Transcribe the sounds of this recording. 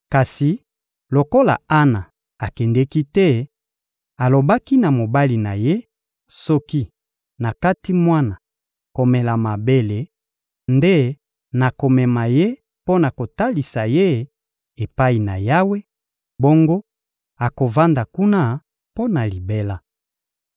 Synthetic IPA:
ka˨si˨ | lo˨ko˦la̰˨a˦na˨ | a˨kɛ˨ndɛ˦ki˦tɛ˦ | a˨lo˨ba˦ki˦na˨mo˨ba˦li˨na˨je˦ | sɔ˦ki˦ | na˨ka˦ti˦mwa˦na˨ | ko˨mɛ˨la˨ma˨be˦le˨ | nde˦ | na˨ko˨mɛ˨ma˨je˦ | po˦na˨ko˨ta˦li˨sa˨je˦ | e˨pa˦i˨na̰˨ja˦we˦ | bo˦ŋɡo˦ | a˨ko˨va˦nda˨ku˦na˦ | po˦na˨li˨be˦la˦

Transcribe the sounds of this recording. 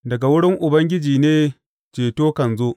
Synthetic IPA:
dɐ˨ɡa˨wʊ˦ɽɪ˦ŋʔʊ˨bɐ˦ŋɡʲɪ˦d͡ʒiː˨neː˦ | t͡ʃeː˨toː˦kɐ˨nzoː˦ʔ

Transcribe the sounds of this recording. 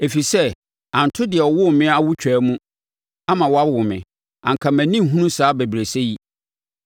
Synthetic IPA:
e˨fi˨sɛ˦ | ã˨ntʰʊ˦dɪ˨ɛ˨ɔ˨wʊ˦˨mɪ̃˦a˦wʊ˦t͡ɕᶣæː˨˦mũ˦ | a˦mã˨wɔ˨a˦bwʊ˨mɪ̰̃˨ | ã̰˨ŋ̩˨kʰa˨mæ̃˨nĩ˦m˦ɦũ˦nũ˦saː˨˦be˨bɾe˨se˦ji˦

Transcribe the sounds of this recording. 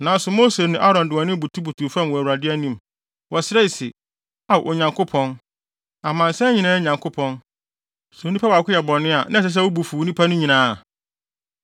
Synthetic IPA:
nã˨n˦sʊ˨mo˦se˨nɪ̃˦ʔa˦ɾɔ̃˨n˨dɪ˨ɔ˨nɪ̃˦bu˨tʰu˦bu˨tʰu˨fã˦˨m˨wɔ˨æ˨wu˨ɾa˨dɪ˦æ˦nĩ˨m˨ | wɔ˨sɪɾɛ˦i˨sɪ˨ | a˨ʔɔ˨ɲã˨ŋkʰʊ˦pʰɔ̃˦n | a˨mã˨n̩˨sɛ˦ɲĩ˨nãː˦ɲã˨ŋkʰʊ˦pʰɔ̃˦n | swnĩ˦pʰa˦wa˨kʰʷʊ˦jɛ˨bɔ̃˨nɪ̃˦a˨nã˦˨s̬ɛ˦s̬ɛ˦wo˦bu˨fu˨wu˦nĩ˦pʰa˦nʊ̃˦ɲĩ˨nãː˦˨

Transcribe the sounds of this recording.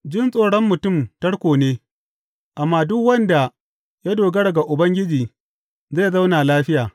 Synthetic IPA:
d͡ʒɪ˦nsʼoː˨ɽɔ˦mːʊ˨tʊ˦˨mtɐ˦ɽkʷoː˨neː˦ | ʔa˨mːaː˦dʊ˦kwɐ˦nda˨ | ja˦doː˨ɡɐ˦ɽɐ˨ɡa˨ʔʊ˨bɐ˦ŋɡʲɪ˦d͡ʒiː˨ | zaː˦˨za˦wna˨laː˦ɸɪ˦jaː˨

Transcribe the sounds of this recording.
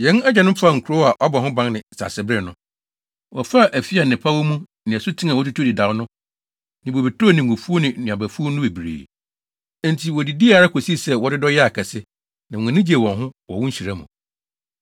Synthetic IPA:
jɛ̃˨˦nɛ˦d͡ʑɛ˨nʊ̃˦m̩˦fa˦˨ŋ̩˨kʰɾo˦a˨ʔɔ˦bɔ˨hʊ̃˦bã˦ŋnɪ̃˨sa̰˨sɪ˨bɾɪ˦nʊ̃˦ | wɔ˨fa˦˨ʔæ˨fi˦a˨nɪ̃˨pʰa˦wo˦mũ˦ | nɪ̃˨ɛ˨sʊ˦tʰĩ˦nã˨wɔ˦tu˦tʰu˦˨dɪ˨da˨wʊ˦nʊ̃˦ | nɪ̃˨bo˨bi˨tʰo˦˨nɪ̃˨ŋ˨ɡʊ˨fu˦o˦nɪ̃˨nũ˨ã˨bæ˨fu˦o˦nʊ̃˦e˨bɾḛː˨˦ | n˨tʰi˨wɔ˨di˨di˦a˨ɾa˦kʰo˨si˦˨sɛ˦wɔ˨˦dɪ˦dɔ˦jɛ˦a˨kʰɛ˨sɪ˦ | nã˨ã˨nɪ̃˦d͡ʑi˦e˨wɔ̃˨nɦʊ̃˦wɔ˨wʊ̃˦ɲ̩˦ɕi˨ɾa˦mṵ̃˨

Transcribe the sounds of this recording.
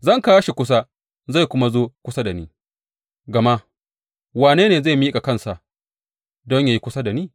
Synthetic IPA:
zɐ˦ŋka˦wa˦ʃi˨kʷʊ˦s̬a˦ | za˦˨kʷʊ˦ma˦zoː˦kʷʊ˦sa˦da˨niː˦ | ɡɐ˨ma˦ʔ | waː˨neː˦neː˨za˦˨miː˦kʼa˨kɐ˦˨nsa˨ʔ | dɔ˦ɲja˨ji˦kʷʊ˦sa˦da˨niː˦

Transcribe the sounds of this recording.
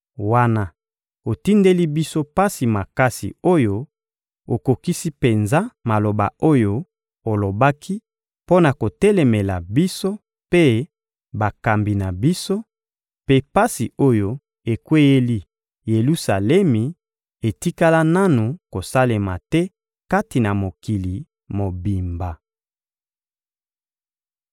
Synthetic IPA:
wa˦na˦ | o˨ti˦nde˦li˦bi˦so˦pa˦si˨ma˨ka˦sḭ˨o˦jo˦ | o˨ko˨ki˦si˦pe˨nza˦ma˨lo˨ba̰˨o˦jo˦ | o˨lo˨ba˦kʰi˦ | po˦na˨ko˨tɛ˦lɛ˨me˨la̰˨bi˦so˦ | pe˦ | ba˨ka˨mbi˨na˨bi˦so˦ | pe˦pa˦si˨o˦jo˦ | e˨kwe˦je˦li˦ | je˨lu˦sa˨lɛ˦mi˨ | e˨ti˦ka˦la˦na˦nu˨ko˨sa˦le˨ma̰˨tɛ˦ | ka˦ti˨na˨mo˨ki˨li˨ | mo˨bi˨mba˨

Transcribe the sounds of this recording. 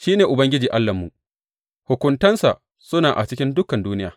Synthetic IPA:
ʃiː˦neː˨ʔʊ˨bɐ˦ŋɡʲɪ˦d͡ʒiː˨ʔa˦lːɐ˨mːṵ˨ʔ | hʊ˨kʷʊ˨ntɐ˦nsa˨ | sʊ˦naː˨ʔa̰˨t͡ʃɪ˦kʲɪ˦ndʊ˦kɐ˨nduː˦nɪ˦ja̰ː˨

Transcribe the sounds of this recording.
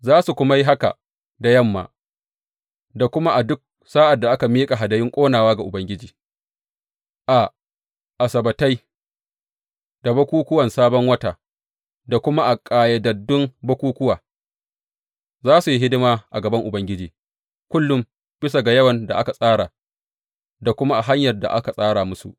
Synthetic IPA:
zaː˦su˨kʷʊ˦ma˦ji˦ɦa˦ka̰˨ | da˨jɐ˦˨mːa̰ː˨ | da˨kʷʊ˦ma˦ʔa˨dʊ˦k̚ | saː˦ʔa˨dːa˨ʔa˦ka˨miː˦kʼa˨ɦa˨dɐ˨jɪ˦ŋkʷʼoː˦naː˨waː˦ɡa˨ʔʊ˨bɐ˦ŋɡʲɪ˦d͡ʒiː˨ | ʔa˨ | ʔa˨sɐ˨bɐ˨ta˦j | d̥a˨bɐ˦kʷuː˦kʷʊ˦wɐ˨nsaː˦bɔ˦ŋwɐ˦ta˨ | da˨kʷʊ˦ma˦ʔa˨kʼaː˨jɐ˨dɐ˨dːʊ˦ŋbɐ˦kʷuː˦kʷʊ˦waː˨ | zaː˦su˨ji˦ɦɪ˦dɪ˦maː˦ʔa˨ɡɐ˨bɐ˦ŋʔʊ˨bɐ˦ŋɡʲɪ˦d͡ʒiː˨ | kʷʊ˦lːʊ˦m | b̥ɪ˦s̬a˨ɡa˨jɐ˦wɐ˨nda̰˨ʔa˦ka˨sʼaː˦ɽaː˨ | da˨kʷʊ˦ma˦ʔa˨ɦa˦ɲjɐ˨rda̰˨ʔa̰˦ka˨sʼaː˦ɽaː˨mʊ˦sṵ˨ʔ

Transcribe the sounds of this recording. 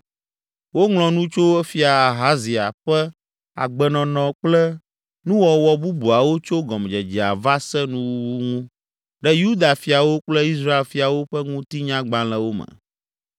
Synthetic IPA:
wo˦ŋl̃ɔ̃˨nũ˦t͡ʃo˦ɛ˦fi˦a˨a˨ɦa˦zi˨a˨ɸɛ˦ | a̰˨ɡ͡bɛ˨nɔ̃˨nɔ̃˨k͡plɛ˦ | nũ˦wɔ˨wɔ˨bu˦bu˨a˨wo˦t͡ʃo˦ɡɔ˨md͡ʒɛ˨d͡ʒi˨a̰˨va˦sɛ˦nũ˦wu˦wu˦ŋũ˦ | ɖɛ˦ju˦d̪a˨fi˨a˨wo˦k͡plɛ˦i˦s̬ɾa˦e˨lfi˨a˨wo˦ɸɛ˦ŋũ˦t̪i˦ɲã˦ɡ͡bã˦lɛ̃˨wo˦mə̰˨

